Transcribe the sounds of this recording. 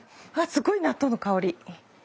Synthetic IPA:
aːsɨɡo̞inat̪ːonokaoɾʲi

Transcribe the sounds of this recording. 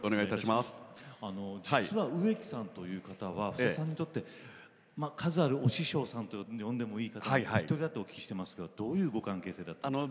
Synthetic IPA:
oneɡait̪aɕimasano̞d͡ʑit͡sɨβaɯ̟e̞kʲi̥sãnt̪o̞jɯ̟ːkat̪aβ̞aɸɯ̟̥esãɲ̟ːit̪o̞t̪ːe̞ | makʰazɨaɾɯ̟o̞ɕiɕo̞ːsãnt̪ojõ̞nd̪e̞mo̞iːkat̪aaihait̪ːoɾʲid̪at̪ːeo̞kʲi̥kiɕi̥t̪e̞masɨ̥ɡad̪̥o̞ːjɯ̟ːɡo̞kãŋke̞ːse̞ːd̪at̪ːan

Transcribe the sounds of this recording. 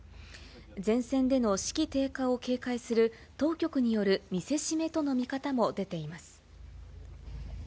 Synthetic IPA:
d͡zẽ̞ɰ̃sẽ̞nd̪e̞no̞ɕi̥kʲit̪e̞ːkao̞ke̞ːkaisɨɾɯ̟ | t̪o̞ːkʲo̞kɯ̟ɲ̟ijo̞ɾɯ̟mʲise̞ɕime̞t̪o̞no̞mʲikat̪amo̞d̪e̞t̪e̞imasɨ̥

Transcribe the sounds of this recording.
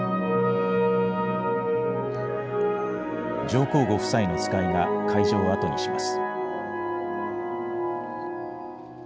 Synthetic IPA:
d͡ʑo̞ːko̞ːɡo̞ɸɯ̟̥saino̞t͡sɨ̥kaiɡakʰaiʑo̞ːat̪o̞ɲiɕimasɨ̥

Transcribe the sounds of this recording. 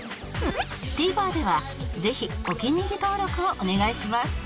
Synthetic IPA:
t̪iːbaːd̪e̞βa | ze̞çiokʲiɲ̟iɡʲit̪o̞ːɾo̞kɯ̟oʔone̞ɡaiɕimasɨ̥

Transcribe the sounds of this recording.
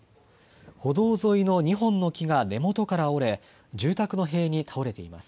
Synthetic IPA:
ho̞d̪o̞ːzo̞ino̞ɲ̟iɦõ̞nːo̞kʲiɡane̞mo̞t̪o̞kaɾao̞ɾe̞ | d͡ʑɨːt̪akɯ̟no̞ɦe̞ːɲ̟it̪ʰao̞ɾe̞t̪e̞ima̰sɨ̥

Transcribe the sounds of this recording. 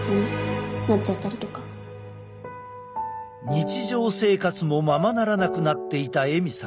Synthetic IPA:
t͡sɨɲinat͡ɕat̪ːaɾʲit̪o̞ka | ɲ̟it͡ɕiʑo̞ːse̞ːkat͡sɨmo̞mamanaɾanakɯ̟nat̪ːe̞it̪ae̞mʲisã

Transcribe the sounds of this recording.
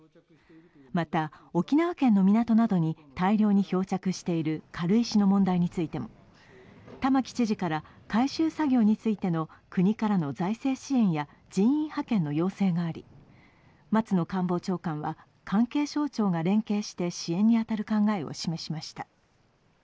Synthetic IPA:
mat̪a | o̞kʲinaβakẽ̞nːo̞mʲinat̪o̞nad̪o̞ɲ̟it̪aiɾʲo̞ːɲ̟iço̞ːt͡ɕakɯ̟ɕi̥t̪e̞iɾɯ̟kʰaɾɯ̟iɕino̞mõ̞nd̪aiɲ̟it͡sɨit̪e̞mo̞ | t̪amakʲi̥t͡ɕiʑikaɾa | kaiɕɨːsaɡʲo̞ːɲ̟it͡sɨit̪e̞no̞kɯ̟ɲ̟ikaɾano̞zaise̞ːɕiẽ̞ɰ̃ja | d͡ʑĩɰ̃ĩɰ̃hakẽ̞nːo̞jo̞ːse̞ːɡaːɾʲḭ | mat͡sɨno̞kãmbo̞ːt͡ɕo̞ːkãɰ̃βa̰ | kʰãŋke̞ːɕo̞ːt͡ɕo̞ːɡaɾẽ̞ŋke̞ːɕi̥t̪e̞ɕiẽ̞ɲ̟ːiat̪aɾɯ̟kãŋɡae̞o̰ɕime̞ɕimaɕi̥t̪ḁ

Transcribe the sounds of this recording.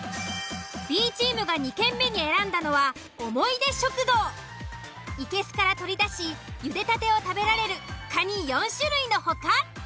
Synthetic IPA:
b̥ʲiːt͡ɕiːmɯ̟ɡaɲ̟ikẽ̞mːe̞ɲ̟ie̞ɾãnd̪ano̞βa | omo̞id̪e̞ɕo̞kɯ̟d̪o̞ː | ike̞sɨ̥kaɾat̪o̞ɾʲid̪aɕijɯ̟d̪e̞t̪at̪e̞o̞t̪abe̞ɾaɾe̞ɾɯ̟kaɲ̟ijõ̞ɰ̃ɕɨɾɯ̟ino̞ho̞ka

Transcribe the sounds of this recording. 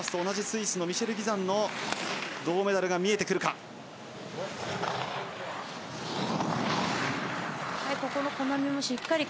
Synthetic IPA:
asɨ̥t̪oːnaʑisɨisɨno̞mʲiɕe̞ɾɯ̟ɡʲizãnːo̞ | d̪o̞ːme̞d̪aɾɯ̟ɡamʲie̞t̪e̞kɯ̟ɾɯ̟ka | haiko̞ko̞noko̞namʲimo̞ɕikːaɾʲi

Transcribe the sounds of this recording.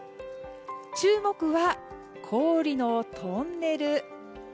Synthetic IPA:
t͡ɕɨːmo̞kɯ̟βa | kʰo̞ːɾʲino̞t̪ʰo̞nːe̞ɾɯ̟

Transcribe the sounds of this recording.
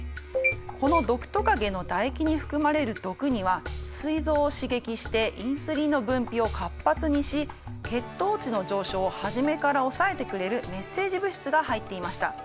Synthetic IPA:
ko̞no̞d̪o̞kɯ̟̥t̪o̞kaɡe̞no̞d̪aekʲiɲ̟iɸɯ̟̥kɯ̟maɾe̞ɾɯ̟d̪o̞kɯ̟ɲ̟iβasɨizo̞ːɕiɡe̞kʲiɕi̥t̪e̞ʔĩɰ̃sɨɾʲino̞bɯ̟̃mpʲio̞kʰapːat͡sɨɲ̟iɕi | ke̞t̪ːo̞ːt͡ɕino̞ʑo̞ːɕo̞ːhaʑime̞kaɾao̞sae̞t̪e̞kɯ̟ɾe̞ɾɯ̟me̞sːe̞ːʑibɯ̟ɕi̥t͡sɨɡahait̪ːe̞imaɕi̥t̪a̰

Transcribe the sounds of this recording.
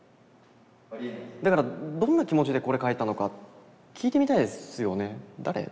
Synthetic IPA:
d̪akaɾad̪õ̞nːakʲimo̞t͡ɕid̪e̞ko̞ɾe̞kait̪ːano̞ka | kʲʰiːt̪e̞mʲit̪aid̪esɨjo̞ne̞d̪aɾe̞̰

